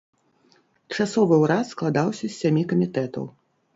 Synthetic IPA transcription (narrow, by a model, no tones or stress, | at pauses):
t͡ʂasɔvɨwɾat̪sklˠad̪awsʲɐsʲːamʲikɐmʲit̪ɛt̪ɐ̰w